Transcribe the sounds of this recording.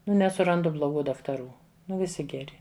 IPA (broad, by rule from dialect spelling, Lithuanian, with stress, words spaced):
nʊ nʲɛsʊˈrɐndʊ blˠoːˈɡuː dɐktɐˈruː ˈnʊ ʋʲɪˈsʲɪ ɡʲɛˈrʲɪ